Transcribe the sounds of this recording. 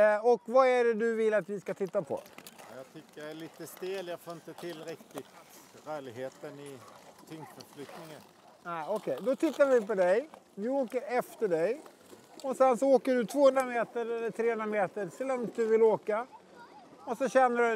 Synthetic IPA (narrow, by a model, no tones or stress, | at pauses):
ɔkvaæɖɛd̪ɵvɪlːat̪vɪskat̪ʰɪt̪ːapʰɔ̰jɑt̪ʰʏkːəɛliːt̪əst̪eːljɑfoːɾɪnt̪ət̪ʰɪlɾɛk̚t̪ɪt̪ | ɾœːɭɪɡɦeːt̪ənɪt̪ʰʏŋsfəflʏk̚t̪nɪŋən | næɪɔkʰɛjd̪ɔt̪ʰɪt̪ːaɾvɪpɔd̪ɛj | vɪoːkəɾɛft̪əɖɛj | ɔsɛnsɔoːkəɖɵt̪ʰvoːhɵnd̪ɾameːt̪əɾɛlːəʈ̪ʰɾeːhɵnd̪ɾameːt̪əɾsɛlːɔŋd̪ɵvɪlːoːka | ɔsɔɕɛnːəɖɵ